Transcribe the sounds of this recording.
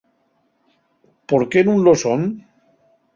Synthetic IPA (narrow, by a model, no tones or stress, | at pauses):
poɾkenũnloson